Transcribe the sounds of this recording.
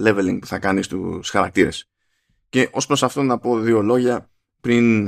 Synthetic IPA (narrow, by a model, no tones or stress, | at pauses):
le̞ve̞liŋɡpuθɐkɐnist̪ṵsxɐɾɐk̚t̪iɾe̞s | ce̞ʔo̞spɾo̞sɐft̪o̞nɐpo̞ðio̞lo̞ʝɐ | pɾin